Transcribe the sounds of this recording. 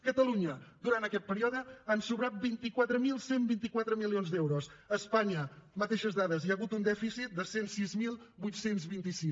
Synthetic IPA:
kət̪əluɲəd̪uɾant̪əkɛt̪̚pəɾiɔðəansuβɾat̪̚bint̪ikwat̪ɾəmilˠsembint̪ikwat̪ɾəmilionzd̪ɛwɾosəspaɲəmət̪eʃəzðaðəziəɣut̪und̪ɛfisit̪̚d̪əsensizmilˠbujt̪senzβint̪isis

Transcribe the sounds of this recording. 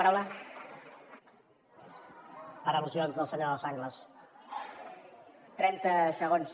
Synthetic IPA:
ɾawla | əɾəluzionzðəlˠsəɲoðəsaŋɡləs | t̪ɾɛnt̪əsəɣons

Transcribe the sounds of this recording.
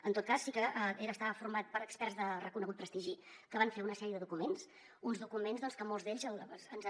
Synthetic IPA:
ənt̪ot̪kasːikəʔəʔeɾəːst̪aβəfurmat̪̚pəɾəkspɛrzðərəkunəɣut̪̚pɾəst̪iʒi | kəβaɱfeunəsɛɾiəðəðukumens | unzðukumenzðɔnskəmolˠzðeʎzəlˠənz

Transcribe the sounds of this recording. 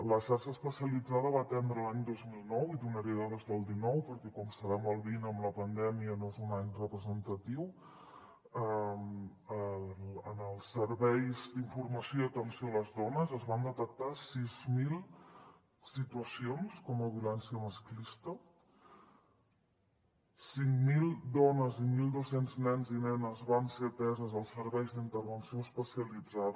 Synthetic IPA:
ləʃaɾʃəːspəsiəlid͡zaðəβat̪ɛnd̪ɾəlaɲd̪ozmilˠnɔwiðunəɾiəaðezðəlˠd̪inɔwpəɾkɛkɔmst̪əɾamɔlˠβinəmləpənd̪ɛmiənoezunaɲrəpɾəzənt̪ət̪iw | ə | ələnəlˠsːəɾβɛjzd̪iɱfurməsijoiət̪ənsioələzðɔnəzəzβand̪ət̪ək̚t̪asizmilˠ | sit̪uəsionskɔməβilɛnsiəməsklist̪ə | siŋmilˠd̪ɔnəzimilˠd̪osenznɛnzinɛnəzβanset̪ɛzəzəlˠsːəɾβɛjzðint̪əɾβənsioəspəsiəlid͡zað

